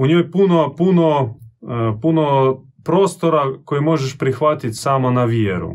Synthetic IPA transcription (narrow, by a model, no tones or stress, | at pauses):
uɲoːjpunopuno | puno | pɾoːst̪oɾakojimo̞ʒeʃpɾixʋat̪it̪ʲsaːmonaʋjeɾṵ